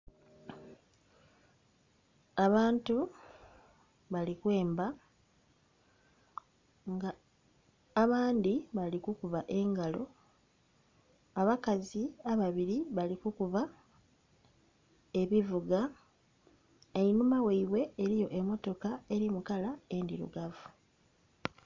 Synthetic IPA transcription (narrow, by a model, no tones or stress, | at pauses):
aβaːntu | βalikwe̞ːmba | ŋɡaː | βaːndiβalikukuvaʔe̞ŋɡalo̞ | aβakaziaβaβiɾiβalikukuva | e̞βivuɡa | eimumaweiβwe̞ːɾijo̞ʔe̞mːo̞to̞kae̞ɾimukalae̞ndiɾṵɡavu